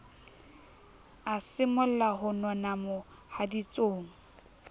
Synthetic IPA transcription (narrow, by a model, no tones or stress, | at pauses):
asɪmʊl̩laɦʊnɔnamʊ | hadit͡sʼoːŋ̩